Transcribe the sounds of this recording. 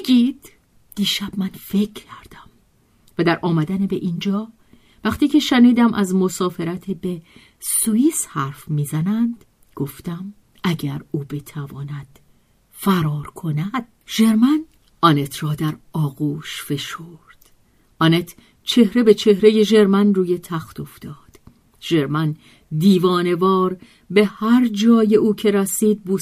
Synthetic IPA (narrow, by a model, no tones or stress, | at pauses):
bɡiːd̪̥ː | iːʃæb̥̚mænfe̞cʰcʰæɾd̪̥æm | væd̪æɾʔɒːmæd̪ænebe̞ʔiːnd͡ʒɒː | væχt̪iːcʰe̞ʃæniːd̪æmʔæzmo̞sɒːfe̞ɾæt̪ʰebe | suishæɾfmiːzænænd̪̥ | ɡ̥oft̪æm | æɟæɾuːbe̞t̪ʰævɒːnæd̪̥ | fæɾɒːɾkʰo̞næd̪̥̚ʒ̥e̞ɾmæn | ɒnet̪ʰrɒːd̪æɾɒːɣuːʃfe̞ʃoːɾd̪̥ | ʔɒːnet̪ʰ | t͡ʃʰe̞hɾebe̞t͡ʃʰe̞hɾe̞je̞ʒe̞ɾmænruːje̞t̪ʰæxt̪ʰo̞ft̪ɒːd̪̥ | ʒ̥e̞ɾmæn | d̪iːvɒːne̞vɒːɾ | be̞hæɾd͡ʒɒːje̞ʔuːcʰe̞ɾæsiːd̪̚buː